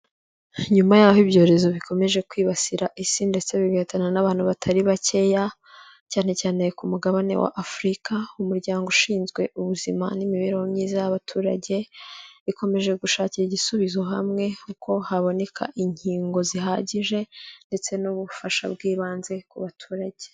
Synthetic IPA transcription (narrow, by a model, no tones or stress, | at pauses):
ɲumajaːhoibɟo̞ːɾe̞zo̞βikʰo̞me̞ʒe̞kwiːβasiɾaʔisinde̞t͡se̞βiβetananaβaːn̥huβatʰaɾiβace̞ja | caːne̞caːne̞kumuɡaβane̞̰wa̰ʔafɾikaumuɾɟaːŋɡuʃiːnzɡwe̞ʔuβuzima̰nimiβeɾewomɲiːzajaβatʰuːɾa̰ɟe̞βiko̞me̞ʒe̞ɡuʃaːciɾiɟisuβizoɦamŋe̞kukʰo̞haβo̞ne̞kʰa̰ʔiɲiːŋɡo̞ziɦaːɟiʒe̞nde̞t͡se̞nuβufaʃa̰bɡiːβaːnze̞kuβatʰuːɾaɟe̞̥